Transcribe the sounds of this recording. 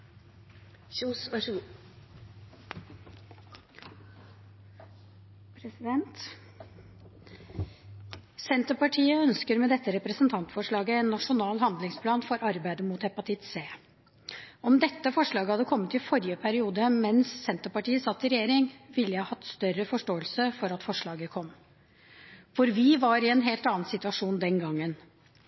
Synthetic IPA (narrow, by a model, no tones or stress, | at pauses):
s | pʰɾɛsɪɛnt̪ | sɛnt̪əpɑʈʰiːəœnskəɾmɛd̪ɛt̪ːəɾɛpɾəsənt̪ʰɑnt̪fɔʂɭɑːɡəeːnːɑʂʊnɑːlhɑnd̪lɪŋspʰlɑːnfɔɾʔɑɾbæɪd̪əmuːt̪hɛpɑt̪ʰɪt̪seː | ɔmd̪ɛt̪ːəfɔʂɭɑːɡəhɑd̪ːəkʰɔmːət̪ɪfɔɾjəpʰæɾɪuːd̪əmɛnsːɛnt̪əpɑʈiːəsɑt̪ːɪɾɛjeːɾɪŋʋɪlːəjæhɑhɑt̪ːst̪œɾəfɔʂʈoːəlsəfɔɾɑt̪fɔʂɭɑːɡəkʰɔmː | fɔɾʋɪʋɑɾɪɛnɦeːlt̪ɑːn̩sɪt̪ʉɑʂuːnd̪ɛnɡɑŋːən